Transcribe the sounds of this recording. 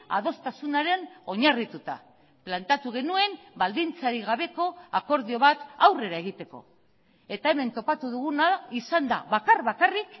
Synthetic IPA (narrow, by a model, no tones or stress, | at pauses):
a̰ð̞o̞st̪asunaɾe̞no̞ɲarit̪ut̪a̰ | plant̪at̪uɣ̞e̞nue̞mbald̪int͡saɾiɣ̞aβe̞ko̞ako̞ɾðio̞β̞at̪awre̞ɾae̞ɣ̞it̪e̞ko̞̰ | e̞t̪ae̞me̞nt̪o̞pat̪uðuɣunaisand̪a̰βakarβakarik